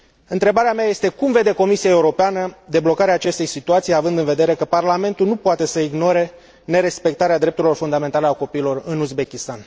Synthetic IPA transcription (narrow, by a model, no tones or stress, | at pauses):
ɨnt̪ɾe̞baɾeamaje̞st̪e̞kumve̞d̪e̞ko̞misijaeuɾo̞peanəd̪e̞blo̞kaɾeaːt͡ʃe̞st̪e̞jsit̪uat̪sijavɨnd̪ɨnve̞d̪e̞ɾe̞kəparlame̞nt̪ulnupoat̪e̞səiɡno̞ɾe̞ | ne̞ɾe̞spe̞k̚t̪aɾead̪ɾept̪uɾilo̞rfund̪ame̞nt̪aleako̞piːlo̞rɨnuzbe̞kʲist̪an